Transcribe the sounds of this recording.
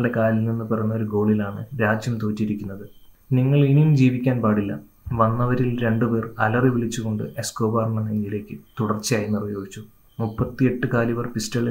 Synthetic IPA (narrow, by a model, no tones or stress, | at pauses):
ɖekaːlilninːɨperɐnːɐoɾuɡo̞ːɭilaːɳɨɾaːd͡ʑjɐmt̪oːtːiɾikʲːunːɐðɨ | niŋːɐɭinijumd͡ʑiːʋikʲːaːnpaːɽilːɐ | ʋɐnːɐʋɐɾilɾe̞ɳɖupe̞ːrɐlɐriʋiɭit͡ɕːuɣo̞ɳɖɨ̰ʔe̞skoːbaːrnɐnɐɲːile̞ːkʲːɨt̪uɽɐrt͡ɕːijaːjinirʋjo̞ːɡit͡ɕːu | mupːɐt̪ːie̞ʈːɨkaːliʋɐrpistɐɭ